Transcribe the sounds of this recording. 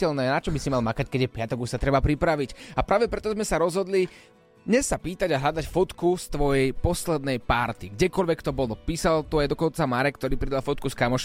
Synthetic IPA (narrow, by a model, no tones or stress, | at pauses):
ɛlnɛːnat͡ʃɔbisimalmakackɛɟjɛpɪat̪ɔɡuʃsat̪ɾɛbapɾipɾaʋicapɾaːʋɛpɾɛt̪ɔzmɛsaɾɔzɦɔd̪li | d̪ɲɛsːapiːt̪aɟaɦʎad̪acfɔt̪kust̪ʋɔjɛjpɔslɛd̪nɛjpaɾt̪iɡɟɛkɔlʋɛkt̪ɔbɔlɔpiːsalt̪ɔajd̪ɔkɔnt͡samaɾɛkt̪ɔɾiːpɾid̪alfɔt̪̚kuskamɔʃ